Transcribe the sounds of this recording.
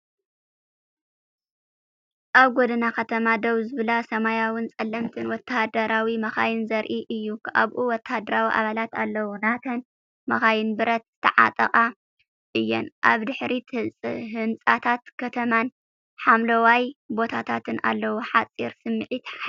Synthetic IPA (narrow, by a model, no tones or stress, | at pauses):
ʔaβɡod̪ɨnakʰɐt̪ʰɐmad̪oβzɨβɨlasɐmajawɨnt͡sʼɐlːɐmt̪ʰɨnwɔt̪ːahd̪ɐɾawimɐxa̰jɪnzɐɾʔiʔɨjːukʰʔa̰βʔuwɔt̪ːahd̪ɐɾawiʔa̰βalat̪a̰lːɐwunat̪ʰɐn | mɐxajɪnbɨɾɐt̪zɨ̥t̪ʰɐʕa̰t̪ʼɐ̰χʼa | ʔɨjːɛ̰nʔaβd̪ɨħɾit̪ʰɨlt͡sʼɨɦɨnt͡sʼat̪ʰat̪kʰɐt̪ʰɐman | ħamlɐwajbo̞t̪ʰat̪ʰat̪ʰɨnʔa̰lːɐwuħat͡sʼiɾsɨmːɨʕit̪